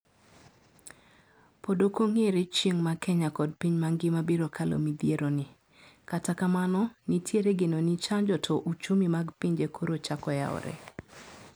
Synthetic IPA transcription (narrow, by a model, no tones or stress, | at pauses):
podokoŋeɾet͡ʃjeŋmakɛɲakɔd̚piɲmaŋɡɪmabiɾokʰalo̰mid̪jeɾonɪ | katakamanɔnitʰjeɾeɡenonit͡ʃaɲd͡ʒɔtʰɔʔut͡ʃumimaɡpiɲd͡ʒekʰoɾot͡ʃakɔja̰ɔ̰ɾɛ̰